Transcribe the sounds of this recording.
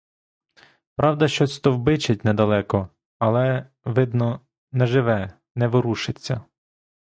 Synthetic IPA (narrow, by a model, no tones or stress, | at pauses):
pɾʔɑwd̪ɐʃt͡ʃɔsʲt̪ɔwbɪt͡ʃɪt̚ʲnɛd̪ɐlˠɛkɔ | ɐlˠɛ | ʋɪd̪nɔ | nɛʒɪʋɛ | nɛʋɪɾuʃɪt͡sʲːɐ